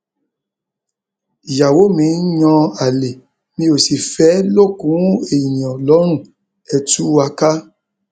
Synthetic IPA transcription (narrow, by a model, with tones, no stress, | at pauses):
ja˨wo˨˦mĩ˨˦jɔ̃˧a˨le˨ | mĩ˧˦o˨si˨fɛ˨˦lo˦˨kũ˨˦e˦˨ĩ˨nĩ˨ɔ̃˨lɔ˨˦ɾ̃ũ˦˨ | ɛ˧tu˦wa˧ka˦